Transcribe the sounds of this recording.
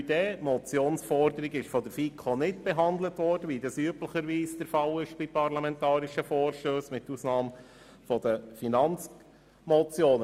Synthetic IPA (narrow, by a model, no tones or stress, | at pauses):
yd̥ɛːmɔt͡sjoːnsfɔɾdəɾiɡɪʃfɔd̥̪əɾfiːkʰonɪtb̥ɛɦɑnd̪lətʋɔɾd̥əʋidɑsyəbləχəɾʋiːsd̥əɾfɑlɪʃb̥ipɑɾlɑmɛntɑːɾiʃəfoːɾʃtøːsmɪtːusnɑːm | fɔd̥̪əfinɑnt͡s | mɔt͡sjoːnə